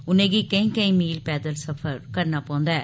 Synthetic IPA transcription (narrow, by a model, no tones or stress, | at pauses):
ʊnɐɡikɐɪŋkɐɪ̃miːlpeːd̪ɐlsɐfɐɾkɐnːapoːnd̪ɐ